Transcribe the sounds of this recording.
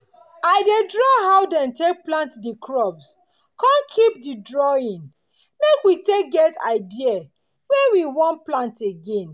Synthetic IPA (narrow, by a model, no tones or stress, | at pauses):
aɪdedɹɔɦaʊdɛ̃ntek̚plãntdikʰɹɔbs | kãnkʰip̚didɹɔĩn | mekwitek̚ɡɛta̰ɪdia | wɛ̃wiwɔ̃nplãnteɡẽn